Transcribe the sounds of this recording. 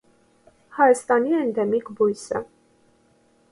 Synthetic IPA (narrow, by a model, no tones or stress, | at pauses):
hɑjɑst̪ɑniɛnd̪ɛmikʰbujsə̰